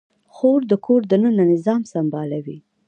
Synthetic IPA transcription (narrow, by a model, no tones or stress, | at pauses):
xoɾd̪əkʰoɾd̪ənənanɪzɑmsambɑlawi